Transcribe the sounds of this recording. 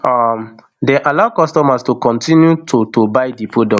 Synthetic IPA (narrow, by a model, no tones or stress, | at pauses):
ɔm | deʔalaʊkɔstɔmastokɔ̃ntĩnjutʰotobaɪdipʰodɔ